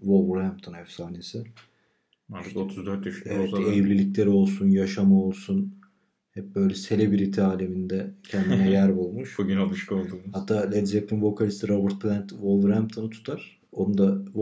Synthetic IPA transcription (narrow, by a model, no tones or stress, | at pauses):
volˠvɾæmp̚t̪ʰonhɛfsaːniesɪ | aɾt̪ʰɯkot̪ʰuzd̪øɾd̪yʃevɛt̪ejvlʲilʲiclʲe̞ɾio̞lˠsunjaʃamao̞lˠsun | hɛp̚bø̞jlʲɛse̞lʲebiɾit̪ʰiaːlʲe̞mind̪ɛcʰænd̪inɛjæɾbulˠmuʃʃbuɟynalˠɯʃkɯolˠd̪uːmhat̪ʰːaːlʲed̪zep̚t̪invo̞kʰalʲist̪iɾobɯɾt̪̚plʲænt̪volˠvɾhæmp̚t̪ʰonɯt̪ʰu̥t̪ʰaɾ̥ | onud̪av